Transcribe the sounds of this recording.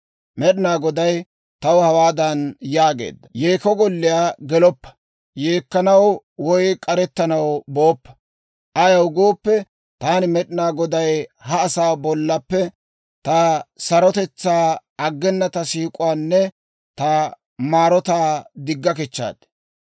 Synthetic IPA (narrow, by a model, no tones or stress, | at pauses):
mɛɗɪnaːɡɔd̪ɐj | t̪ɐwhɐwaːd̪ɐnjaːɡḛːd̪ːɐ̥jeːkɔɡɔlːɪjaːɡɛlɔpːɐ̥ | jeːkːɐnɐw | wɔjkʼɐɾɛt̪ːɐnɐwboːpːɐ̥ | ʔɐjɐwɡoːpːɛ | t̪aːnɪmɛɗɪnaːɡɔd̪ɐjhɐːsaːbɔlːɐpːɛ | t̪ɐsɐɾɔt̪ɛt͡sːaːɐɡːɛnːɐt̪ɐsiːkʼʊwaːnːɛ | t̪ɐ | maːɾɔt̪aːd̪ɪɡːɐk̬ɛt͡ʃːa̰ːd̪̥